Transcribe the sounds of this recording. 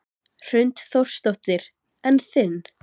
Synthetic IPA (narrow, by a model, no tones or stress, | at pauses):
r̥ʏnt̪θɔr̥st̪ɔt̪ɪɾ | ɛnθɪn